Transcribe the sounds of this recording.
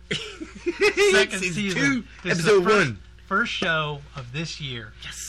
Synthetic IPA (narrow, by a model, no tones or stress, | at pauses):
sɛkɨ̃nssizʉ̃ | ɨɛzowʌ̃n | fɜ˞stʃoʊʌvðɪsjɪɹjɛs